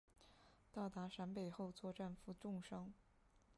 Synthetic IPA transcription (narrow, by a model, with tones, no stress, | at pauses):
t̪ɑ˥˩ʊt̪a˧˥ʂa˧˥npe˨˩ɪxo˥˧ʊt͡swɔ˥˧ʈ͡ʂa˥˧nfu˥˧ʈ͡ʂʊ˥˩ŋʂɑ˥ŋ